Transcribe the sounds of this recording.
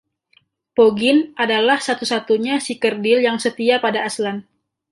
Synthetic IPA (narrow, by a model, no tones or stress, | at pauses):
poɡɪnʔadalahsat̪usat̪uɲasikərdɪljaŋsət̪iapadaːslan